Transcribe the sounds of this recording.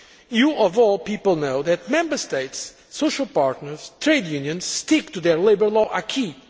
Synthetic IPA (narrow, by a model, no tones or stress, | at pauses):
juʔɔvɔlˠpipəl̩ˠnoʊðɨt̚mɛ̃mbə˞steɪtsː | oʊʃəlˠpaɹtnəɹz̥tʰɹeɪdjũnjɨ̃nz̥stik̚tuðəɹleɪbə˞lɔʔakʰi